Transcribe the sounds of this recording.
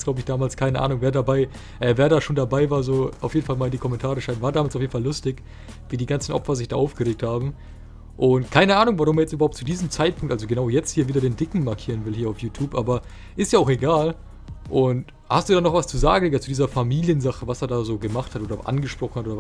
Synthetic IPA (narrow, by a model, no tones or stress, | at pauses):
ɡ̥laʊbəɪçd̥aːmaːlskʰaɪnəʔa̰ːnʊŋveːɐdabaɪ | ʔɛːveːɐɾaːʃoːndabaɪvaːɐzoːʔaʊfjeːdn̩falmaːlɪndiːkʰɔmɛntʰaːʁəʃaɪnvaːɐdaːmalsʔaʊfjeːdn̩falːʊstɪç | viːdiːɡant͡sn̩ʔɔ̰pfɐzɪçd̥aːʔaʊfɡ̥əʁeːk̚thaːbm̩ | ʔʊntkʰaɪnəʔaːnʊŋvaʁʊmeːɐjɛt͡stʔyːbɐhaʊp̚tt͡sudiːzəmt͡saɪtpʰʊŋktʔalzoɡənaʊjɛt͡sthiːɐviːdɐdeːndɪkŋ̩maɐkʰiːʁənvɪlhiːɐaʊfjuːtʰjuːpʔaːbɐ | ʔɪstjaːaʊxeɡaːl | ʔʊnt | hastd̥uːdanɔχv̥ast͡suza̰ːɡŋ̩ːɐt͡sudiːzɐfamiːljənzaχəvaseːɐdaːzoːɡəmaχthatʔoːdɐʔa̰nɡəʃpʁ̥ɔχn̩hatoːdɐ